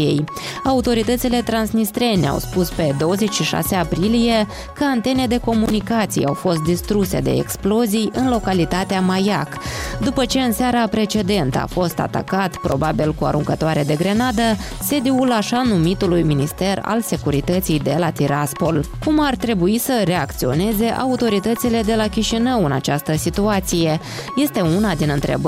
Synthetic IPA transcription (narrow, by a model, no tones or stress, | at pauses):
ijḛj | aut̪o̞ɾit̪ət̪sile̞t̪ɾansnist̪ɾe̞nea̰wspuspe̞d̪o̞wəze̞t͡ʃʲʃiʃa̰seapɾilije̞ | kəant̪e̞ne̞d̪e̞ko̞munikat̪sḭja̰wfo̞st̪̚d̪ist̪ɾuse̞̰d̪e̞̰ḛksplo̞zijɨnlo̞kalit̪at̪eamajakd̪upət͡ʃe̞ɨnseaɾapɾe̞t͡ʃe̞d̪e̞nt̪əa̰fo̞st̪a̰t̪a̰kat̪pɾo̞̰babilkua̰ɾuŋkət̪oaɾed̪e̞ɡɾe̞nad̪ə | se̞d̪iulaʃanumit̪ulujminist̪e̞ra̰lse̞kuɾit̪ət̪sijd̪e̞lat̪iɾaspo̞lkumart̪ɾe̞buisəɾe̞akt̪sio̞̰ne̞ze̞ʔa̰ut̪o̞ɾit̪ət̪sile̞d̪e̞lakʲiʃinəwɨna̰t͡ʃast̪əsit̪uat̪sije̞ | je̞st̪e̞unad̪inɨnt̪ɾe̞̰b